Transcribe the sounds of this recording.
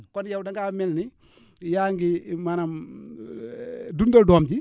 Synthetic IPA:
kɔnjawdɐŋɡamɛlni | jaːŋɡimanam | dundodɔːmd͡ʒi

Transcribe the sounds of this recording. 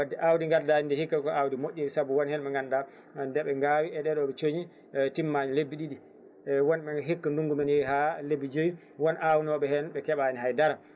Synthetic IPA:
wadːɛʔawdiŋɡandaɲindɛhikːakɔawdimoʔʲːiisabuwɔnhɛnɓɛŋɡanda | ndɛɓɛŋɡawiɛɗɛɗɔɓɛt͡ʃoɲi | timːaɲilebːiɗiɗi | wɔnɓɛɦikːanduŋɡumɛnjɛɦalebːid͡ʒoji | wɔnʔawnɔɓɛhɛnɓɛkɛɓaniɦajdaɾa

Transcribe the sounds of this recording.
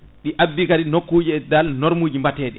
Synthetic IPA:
ɗiʔabːikaɗinokːuːd͡ʒiɛdalnɔɾmuːd͡ʒimbatɛːɗɛ

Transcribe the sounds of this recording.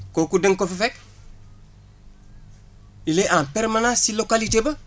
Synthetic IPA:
kokudeŋkofefek̚ | ileʔãmpeɾmanãːsilokalitebɐ

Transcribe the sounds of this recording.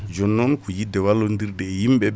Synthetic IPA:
d͡ʒɔnːɔnkujidɛwalːondiɾdɛjimɓɛ

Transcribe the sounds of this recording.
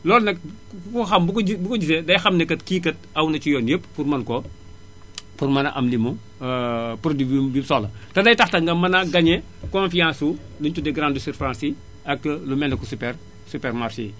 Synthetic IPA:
lɔːlnɐk̚fuxɐmbukibukɔɟisedɐjxɐmnɛkɐtkiːkɐt̚ɐwnɐt͡ʃujɔnjepːfurmɐnkɔ | furmɐnɐ̰ʔɐ̰mlimu | puɾdibibimsɔlɐtɐdɐjtɐxtɐŋɡɐmɐnaɡɐɲɛ | kɔnfijãːsu | luɲtudɛɡɾandusiɾfɾãːnsi | ɐk̚ːlumɛndɐkusupɛr | supɛrmarʃḭ

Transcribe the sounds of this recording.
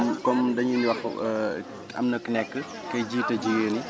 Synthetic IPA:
mkɔmdɐɲuniwɐx | ɐ̰mnəkːnɛkːə | kɐjd͡ʒiːtɐd͡ʒijəːni

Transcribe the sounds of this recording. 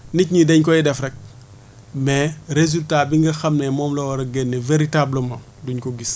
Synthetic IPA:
nicɲidɛɲkɔidɛfɾɛk̚ | mɛɾezultabiŋɡiɾxɐmnɛmɔmlɔwɾɐɡɛnːɛveɾitabləma | duɲkɔɡis

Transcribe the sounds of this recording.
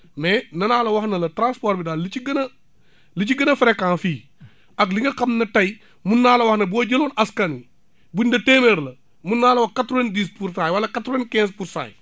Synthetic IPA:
mɛnɐnaːlɐwɐxnɐlɐtɾãːnspɔɾbidaːllit͡ʃiɡɐnɐ | lit͡ʃiɡɐnɐfɾɛkːãːnfiː | ɐkliŋɡɐkɐmnɐtɐj | munːaːlɐwɐhnɐbɔɟɐloːnʔɐskani | bundɐtemeɾlɐ | munːaːlɐwɐhkatɾɔwendiːspuɾsaːjwɐlːɐkatɾɔwenkɛ̃ːspuɾsa̰ːj

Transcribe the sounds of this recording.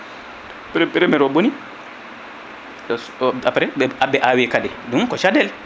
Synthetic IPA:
pɾɛpɛɾɛmɛɾɔboni | ɗɔ | apɾɛɛabɛʔawɛkadɛ | dumkɔʃadɛl

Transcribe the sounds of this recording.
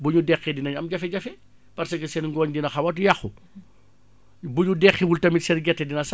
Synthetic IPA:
buɲudɛxɛdinɐɲɐmd͡ʒɐfɛɟɐfɛ | pɐɾsɐɡɐsɛnŋɡɔːɲdinɐxɐwɐt̬jɐxu | buɲudɛxiwultɐmitsɛnɡɛtːɛdinɐs

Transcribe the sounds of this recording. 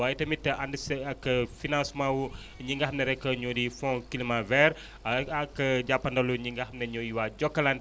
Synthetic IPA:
wait̪əmit̪əʔandəskəfinãsmau | ɲiŋɡahmnɛɾekəɲodifɔ̃kilimavɛɾ | akəd͡ʒapandoluɲiŋɡaɦmnɛɲoiwad͡ʒɔkəland

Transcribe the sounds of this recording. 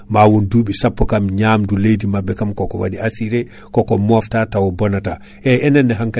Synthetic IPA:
mawɔnduːɓisapːɔkamɲamdulejdimabɛkamkɔkɔwa̰diasiɾɛ | kɔkɔmɔftatawɔbɔnata | ʔɛɛnɛnːɛɦaŋka

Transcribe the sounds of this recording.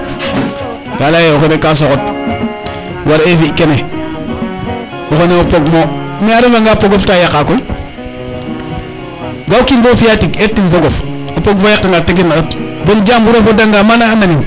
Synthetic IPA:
ɡalajeoxenekas̬okot̚ | waɾefiʔkene | oxoneopoɡmomiaɾivaŋɡapoɡoftajakːakoj | ɡawkinbofijatiketːinfoɡof | apoɡfojak̚taŋɡataɡ̬inatbold͡ʒambuɾafodaŋɡamanaːnani

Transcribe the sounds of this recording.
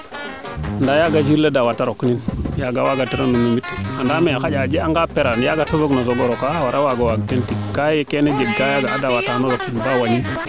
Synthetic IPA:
andajaɡad͡ʒiɾledawataɾokninjaɡawaɡatiɾanumumitandamiaxaɟad͡ʒeaŋɡapeɾanjaɡatozoɡnozoɡoɾokawaɾawaɡawaɡtentikkajekened͡ʒeɡkajaɡaːdawatanoɾokinbawaɲin

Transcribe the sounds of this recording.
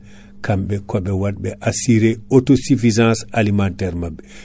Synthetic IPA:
kamɓɛkɔɓɛwaɗɓɛʔasiɾeotosifizãnsalimantɛɾmabːɛ

